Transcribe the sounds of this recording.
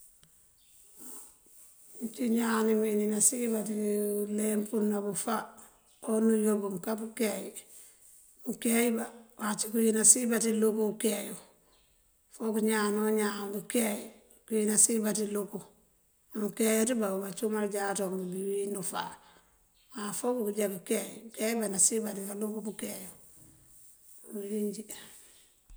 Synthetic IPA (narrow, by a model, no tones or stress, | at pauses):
ɲt͡ʃiɲanimininasibatilempunːabufa | onujobumkabukeji | mukejibawat͡ʃikujinasibatilukukeːju | fokuɲaːnoɲakukeji | kujinasibatiluku | mukejutibaubat͡ʃumald͡ʒatokmibiwinufa̰ | wafokukud͡ʒakukejkejbanasibatikalukubukeju | jiɲd͡ʒi